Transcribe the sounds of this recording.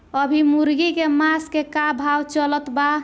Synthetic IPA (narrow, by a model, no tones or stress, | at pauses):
əbʱimuɾɡikemaskekabʱawt͡ʃələt̪ba